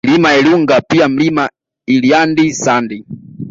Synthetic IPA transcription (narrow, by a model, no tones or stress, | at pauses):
limaɛluŋɡapiam̩lima | iliandisandi